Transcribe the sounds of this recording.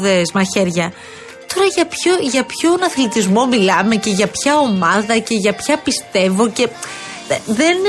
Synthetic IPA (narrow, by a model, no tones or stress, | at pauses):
ðezmɐçe̞ɾʝɐ | t̪o̞ɾɐʝɐpçoʝɐpço̞nɐθlit̪izmo̞milɐme̞ce̞ʝɐpçɐo̞mɐðɐce̞ʝɐpçɐpist̪e̞vo̞ce̞ | ðe̞n